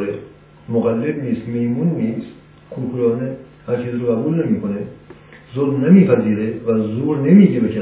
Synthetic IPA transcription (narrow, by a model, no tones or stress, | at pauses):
ɾe | moɣælːebniːst̪mehmunːiːst̪ | kʰuɾkʰulɒːne | hæɾt͡ʃʰiːziːɾoɡæbuːlnemiːkʰone | zoɾnemiːpʰæziːɾevæzuːɾnemiːɟebekʰæ